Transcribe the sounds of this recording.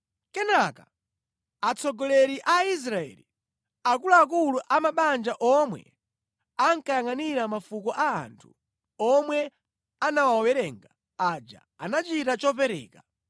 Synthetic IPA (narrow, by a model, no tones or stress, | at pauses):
kɛnaka | at͡sɔɡɔlɛɾiʔais̬ɾaɛ̰li | ak̬ulaːkuluʔamaɓand͡ʒaʔɔmwɛ̰ | aŋkajaŋaniɾamafukɔʔaa̰ntʰu̥ | ɔmwɛ | anawaɔwɛɾɛŋɡa | ad͡ʒa̰ | anat͡ʃitat͡ʃɔpɛɾɛ̰ːka